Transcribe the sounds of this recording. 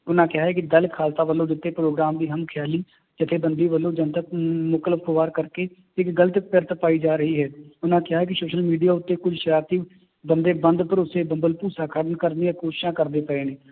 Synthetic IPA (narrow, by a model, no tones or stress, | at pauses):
ʊnãːkɪɦaːɦɛːkid̪əlkʰaːlt̪aːʋəlːõːd̪ɪt̪ːeːpɾoːɡɾaːmd̪iːɦəmkʰjaːliː | d͡ʒɪt̪ʰeːbənd̪iːʋəlːõːd͡ʒə̃nt̪əkmʊkələfkoʋaːɾkəɾkeː | ɪkɡələt̪ɪkpəɾt̪əpaːid͡ʒaːɾəɦiːɦɛːʊnãːkɪjɦaːɦɛːk̬ɪsoːʃəlmiːɖijaːʊt̪ːeːkʊd͡ʒʱʃəɾaːt̪iː | bənd̪eːbə̃nd̪pəɾʊsebəmbəlpuːsaːkʰəɽənkəɾniəkoːʃɪ̥ʃãːkəɾd̪eːpəeːneː